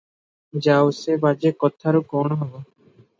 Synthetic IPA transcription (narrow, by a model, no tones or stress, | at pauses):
d͡ʑaosebad͡ʒekɔt̪ʰaɾokɔnɦɔbo